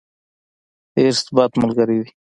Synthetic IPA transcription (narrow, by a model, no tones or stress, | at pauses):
eːɾst̪baːt̪məlɡəɾidi